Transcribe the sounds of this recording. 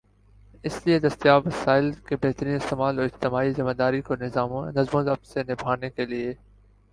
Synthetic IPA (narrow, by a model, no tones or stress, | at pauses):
ɪslied̪ɐst̪ijaːʋɐsaːɪlkebeɦt̪əɾĩːnɪst̪eːmaːloɪd͡ʒt̪ɪmaːizɪmaːd̪aːɾikoːnɪzaːmõnɐzmõːzɐfsenɪbʱaːnekelieː